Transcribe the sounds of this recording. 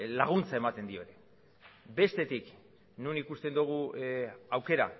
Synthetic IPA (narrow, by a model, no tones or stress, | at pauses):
laɣ̞unt͡sae̞mat̪e̞nd̪io̞ɾe | be̞st̪e̞t̪ik | nunikust̪e̞nd̪uɣ̞u | awke̞ɾa̰